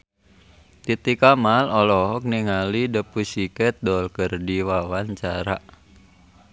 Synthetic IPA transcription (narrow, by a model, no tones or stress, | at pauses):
t̪it̪ikamalɔlɔɦɔk̚niŋalidəpusikɛt̪̚dɔlkərdiwawant͡ʃaɾa̰ʔ